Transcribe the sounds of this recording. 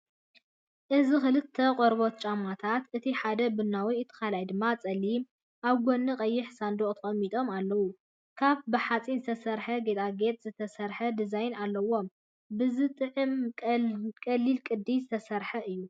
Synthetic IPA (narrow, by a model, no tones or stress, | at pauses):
ʔɨzixɨlɨt̪ʰːɐqʼoɾbo̞t̪̚t͡ʃʼamat̪ʰat̪ʔɨt̪ʰiħad̪ɐbɨnːawiɨt̪ʰːɨ̥xalajd̪ɨmːat͡sʼɐlːim | ʔaβɡonːɨqʼɐjːɪħsand̪oχʼt̪ʰɨxʼɐmːit̪ʼo̞malːɐwu | kʰaβbɨħat͡sʼinzɨt̪ʰɐsɐɾħɐɡet̪ʼaɡe̞t̪ʼzɨt̪ʰɐsɐɾħɐd̪ɨzajnalːɐwo̞m | bɨzɨt̪ʼɨʕɨmʼkʼɐlːilkʼɨd̪ːizɨt̪ʰɐsɐɾħɐʔɨjːu